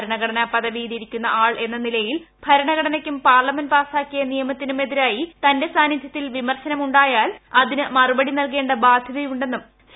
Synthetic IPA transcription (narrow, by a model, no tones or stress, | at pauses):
ɾɐɳɐɣɐɽɐnɐpɐðɐʋiːðiɾikʲːunːɐ̰ʔaːɭʔe̞nːɐnilɐjil | bʱɐɾɐɳɐɡɐɽɐnɐkʲːumpaːrlɐmɐnpaːsaːkːijɐnijɐmɐt̪ːinume̞ðiɾaːjit̪ɐnde̞saːnid̪ʱjɐt̪ːilʋimɐrɕɐnɐmuɳɖaːjaːlɐðinɨmɐrubɐɽinɐlk̬e̞ːɳɖɐbaːd̪ʱjɐðɐjuɳɖe̞nːum